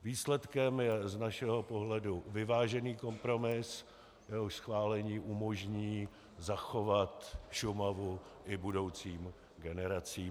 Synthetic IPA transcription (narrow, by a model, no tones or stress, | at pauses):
viːslɛt̪kɛmjɛznaʃɛɦo̞po̞ɦlɛduvɪvaːʒɛniːko̞mpɾo̞mɪs | jɛɦoʃsxvaːlɛɲiːʔumo̞ʒɲiː | zaxovat̪ʃʊmavu | ʔɪbudo̞wt͡siːm | ɡɛnɛɾat͡siː